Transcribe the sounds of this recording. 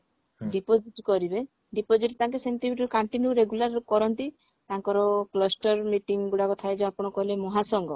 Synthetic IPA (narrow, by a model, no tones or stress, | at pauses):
ɖipod͡ʒiʈkɔɾibe | ɖipod͡ʒiʈt̪aŋkesent̪imiʈɾekaɳʈinjuɾeɡulaɾkɔɾɔnt̪i | t̪aŋkɔɾɔklɔsʈɔɾmiʈiŋɡuɽakɔt̪ʰaed͡ʒeapɔɽ̃ɔkɔɦilemɔɦasɔŋɡɔ